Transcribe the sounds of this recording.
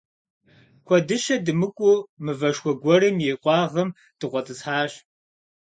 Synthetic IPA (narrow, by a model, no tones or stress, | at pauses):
kʷʰɔdɨʃɐdɨmɨkʷʼʊmɨvɐʃxʷɔɡʷɔrɨmjeːqʷʼɑːʁɐm | d̥ɨqʷʼɔtʼɨsħaːɕ